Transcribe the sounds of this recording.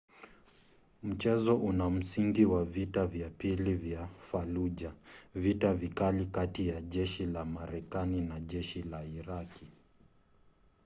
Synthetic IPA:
m̩t͡ʃɛzɔʔunam̩siŋɡiwavitavjapilivjafaluʄavitavikalikatijaʄɛʃilamaɾɛkaninaʄɛʃilaiɾaki

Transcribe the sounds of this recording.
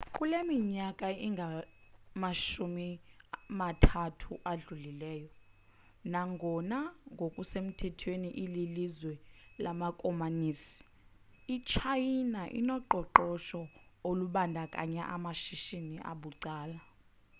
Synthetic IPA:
kʼulemiɲakʼaiŋɡʱamaʃumimatʰatʰuʔaɮulilɛːjɔ | naŋɡʱɔnaŋɡʱokʼusem̩tʰɛtʰweniʔililizwɛlamakʼɔmaniːsi̥ | it͡ʃʰajinaʔḭnɔǃɔǃɔʃɔoluɓandʱakʼa̰ɲɛ̰ʔamaʃiʃiniʔa̰ɓuǀaːla

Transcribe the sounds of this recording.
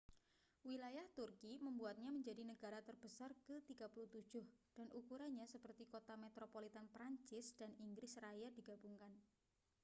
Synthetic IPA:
wilajaht̪urkiməmbuat̪̚ɲaməɲd͡ʒadinəɡ̥a̤ɾat̪ərb̥əsarkət̪iɡ̥apuluht̪ud̥ʒ̥ʊhd̥anʔukuɾaɲasəpərt̪ikot̪amet̪ɾopolit̪anpɾaɲt͡ʃɪsd̥aniŋɡɾɪsrajad̥i̤ɡ̥a̤buŋkan

